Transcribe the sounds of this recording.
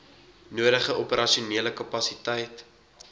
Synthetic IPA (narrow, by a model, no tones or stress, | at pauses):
nuəɾəχəʔɔpəɾʔɐʃiuniələkɐpɐsitɛjt